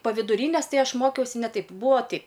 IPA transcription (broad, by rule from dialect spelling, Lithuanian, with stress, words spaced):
pɐ ʋʲɪdʊˈrʲiːnʲeːs ˈtɐɪ ˈɐʃ ˈmoːkʲɛʊsʲɪ ˈnʲɛ ˈtɐɪp ˈbuːoː ˈtʲɛɪp